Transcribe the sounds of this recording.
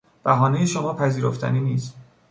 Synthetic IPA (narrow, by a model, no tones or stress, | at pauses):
b̥æɦɒːnejeʃomɒːpʰæziːɾoft̪æ̰niːniːst̪